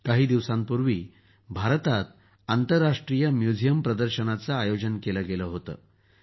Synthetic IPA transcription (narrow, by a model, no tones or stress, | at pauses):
kaɦiːd̪iʋsãmpuɾʋiː | bʱaɾt̪at̪̚ | ant̪əɾːaʂʈɾijəmjud͡zʱijəmpɾəd̪əɾɕənat͡saːjod͡ʑənkeləɡeləɦot̪ə̰ː